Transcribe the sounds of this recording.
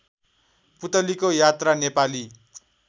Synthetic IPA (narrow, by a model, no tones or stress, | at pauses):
put̪ʌlikojat̪ranepali